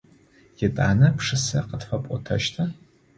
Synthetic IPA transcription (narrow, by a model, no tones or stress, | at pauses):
jɪtʼa̰ːnɐpʂɨsɐqətfɐpʷʼɔtʰɐ̰ʃtʰɐ